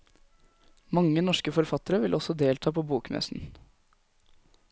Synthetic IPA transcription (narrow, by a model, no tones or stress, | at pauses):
mɑŋːənɔʂkəfɔɾfɑt̪əɾəʋɪlʔɔsɔd̪eːlt̪ʰɑːpʰoːbuːkmɛ̰sn̩